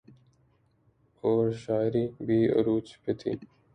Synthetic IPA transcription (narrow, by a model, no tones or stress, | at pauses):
oːɾɕaːɾibiːɐ̰ɾuːt͡ɕpʰet̪ʰḭ